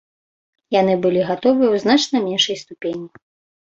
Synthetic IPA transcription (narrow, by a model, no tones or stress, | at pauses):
janɨbɨlʲiɣat̪ɔvɨjɛwznat͡ʂnɐmʲɛnʂɐjst̪upʲenʲːi